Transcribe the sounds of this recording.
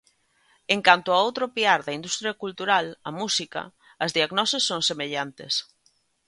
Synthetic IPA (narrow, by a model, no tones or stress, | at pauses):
eŋkant̪oaowt̪ɾopiaɾðɐind̪ust̪ɾjɐkult̪uɾalɐmusikɐ̰ | ɐzðiaɣnɔsesːoŋsemeʎant̪ḛs